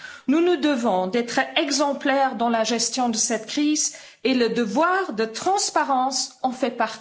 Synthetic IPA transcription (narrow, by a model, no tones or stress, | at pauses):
nunud̪əvɔ̃d̪ɛt̪χɛɡzɑ̃plɛʁd̪ɑ̃laʒɛst̪jɔ̃d̪əsɛt̪kχiz | eləd̪əvwaʁd̪ət̪χɑ̃spaʁɑ̃sɑ̃fɛpaʁt̪i